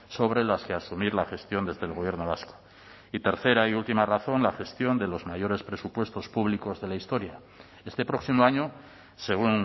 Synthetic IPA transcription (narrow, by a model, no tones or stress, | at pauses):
so̞β̞ɾelaskeasumiɾlaxe̞st̪jo̞nd̪e̞zðe̞ːlɣoje̞ɾno̞β̞asko̥ | it̪e̞ɾθe̞ɾaiult̪imaraθo̞nlaxe̞st̪jo̞nd̪e̞lo̞zmajo̞ɾe̞spɾe̞supwe̞st̪o̞spuβliko̞zðe̞laist̪o̞ɾja | e̞st̪e̞pɾo̞ksimoaɲo̞ | se̞ɣ̞un